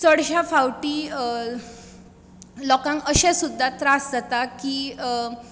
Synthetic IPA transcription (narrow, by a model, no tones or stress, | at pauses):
t͡sɔɽɕjafawʈiː | lɔkãŋkəɕesud̪ʱːat̪ɾasd͡zat̪akiː